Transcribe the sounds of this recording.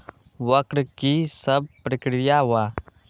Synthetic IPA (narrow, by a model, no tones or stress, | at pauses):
wəkɾkisəb̚pɾəkɾijawa